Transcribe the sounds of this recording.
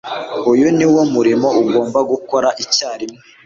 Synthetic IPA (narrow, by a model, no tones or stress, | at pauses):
ujuniwomuɾimo̞uɡo̞ːmbaɡukoɾaʔicaːɾimŋe